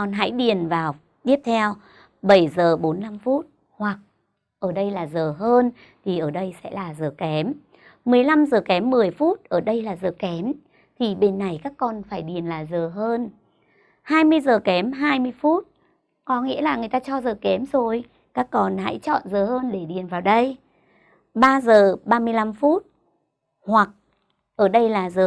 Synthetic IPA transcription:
ɔ˧nɦa̰˧˥jɗi˨˩ənvaː˨˩w | t̪i˦˥əp̚t̪ʰɛ˧w | ɓə˧˩jzəː˨˩ɓo˨˦nːa˧mfu˦˥t̚ | hwa˨˩k̚ | ʔəː˧˩ɗə˧jlaː˨˩zəː˨˩ɦəː˧n | t̪ʰi˨˩ʔəː˧˩ɗə˧jsɛ̰˧˥laː˨˩zəː˨˩kɛ˨˦mː | ɨ˨˩əjla˧mzəː˨˩kɛ˨˦mːɨ˨˩əjfu˦˥t̚ʔəː˧˩ɗə˧jlaː˨˩zəː˨˩kɛ˨˦m | t̪ʰi˨˩ɓe˧nːa˨˩jkaː˦˥kːɔ˧nfaː˧˩jɗi˨˩ənlaː˨˩zəː˨˩ɦəː˧n | haː˧jmɨ˧əjzəː˨˩kɛ˨˦mɦaː˧jmɨ˧əjfu˦˥t̚ | kɔ˨˦ŋḭ˧˥əlaː˨˩ŋɨ˨˩əjt̪aː˧t͡ɕɔ˧zəː˨˩kɛ˨˦mzo˨˩j | kaː˦˥kːɔ˧nha̰˧˥jt͡ɕɔ̰˧˨nzəː˨˩həː˧nɗe˧˩ɗi˨˩ənvaː˨˩wɗə˧j | ɓaː˧zəː˨˩ɓaː˧mɨ˧əjla˧mfu˦˥t̚ | hwa˨˩k̚ | ʔəː˧˩ɗə˧jlaː˨˩zəː˨˩

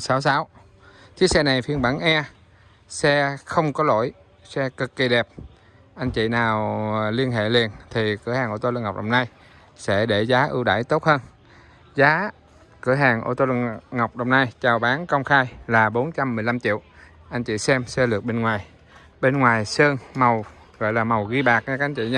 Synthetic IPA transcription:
saː˨˦wsaː˨˦w | t͡ɕi˨˦k̚sɛ˧na˨˩jfi˧ənɓa˧˥˩ŋʔɛ˧ | sɛ˧xə˧wŋ͡mkɔ˨˦lo̰˧˩˨j | sɛ˧kɨ˨˩kːi˨˩ɗɛ˨˩p̚ | ʔa˧jŋ̟t͡ɕḭ˧˨naː˨˩wli˧ənɦḛ˧˨li˨˩ənt̪ʰi˨˩kɨ˧˩əhaː˨˩ŋʔo˧˩t̪o˧lŋa˨˩wk͡p̚ɗə˨˩wŋ͡mna˧j | sɛ̰˧˥ɗe˧˩zaː˨˦ʔɨ˧wɗa̰ː˧˩jt̪o˦˥t̚həː˧n | zaː˨˦ | kɨ˧˩əɦaː˨˩ŋʔo̰˧˩t̪o˧lɨ̰˧˨ŋŋə˨˩wk͡p̚ɗə˨˩wŋ͡mna˧jt͡ɕaː˨˩wɓaː˨˦nkə˧wŋ͡mxaː˧jlaː˨˩ɓo˨˦nt͡ɕa˧mːɨ˨˩əjla˧mt͡ɕḭ˧˨w | ʔa˧jŋ̟t͡ɕḭ˧˨sɛ˧msɛ˧lɨ˨˩ək̚ɓe˧nŋwaː˨˩j | ɓe˧nŋwaː˨˩jsəː˧ŋma˨˩w | ɣɔ̰˧˨jlaː˨˩ma˨˩wɣi˧ɓaː˨˩k̚ɲa˧ka˦˥ʔjŋ̟t͡ɕḭ˧˨ɲa˧

